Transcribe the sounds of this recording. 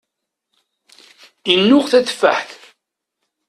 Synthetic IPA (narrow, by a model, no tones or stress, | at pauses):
inːʊʁθæθfːə̰ħθ